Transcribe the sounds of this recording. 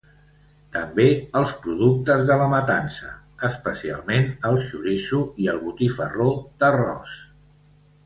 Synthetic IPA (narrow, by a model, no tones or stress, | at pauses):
t̪əmbeəlˠspɾuð̞uk̚t̪əzðələmət̪ansə̰ | əspəsia̰lˠmenəlˠʃuɾisuiəlˠβut̪ifərod̪ərɔ̰s